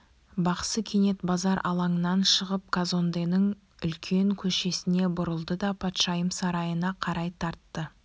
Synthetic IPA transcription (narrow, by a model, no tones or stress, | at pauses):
bɑqsəkʲʰe̞ne̞t̪bɑzɑɾʔɑ̰lˠɑŋənɑnʃəʁəp̚kʰazo̞nd̪enəŋ | ʏlkʲʰe̞ŋkʲʰɵʃe̞sɪne̞bʊɾəlˠd̪əd̪ɑpʰɑt̪ʃɑjəmsɑɾɑjənɑqʰɑɾɑjt̪ʰɑɾt̪ːə